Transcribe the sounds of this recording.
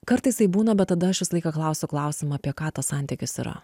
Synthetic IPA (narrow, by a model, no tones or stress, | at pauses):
kɐɾt̪ɐɪsɐɪbuːnɐbʲɛt̪t̪ːɐd̪ɐɐʃʋʲɪslˠɐɪkɐklˠɐʊsʲʊklˠɐˑʊsʲɪmɐɐpʲiɛkɑːt̪ɐssɐnʲt̪ʲɪkʲɪsḭɾɐ̰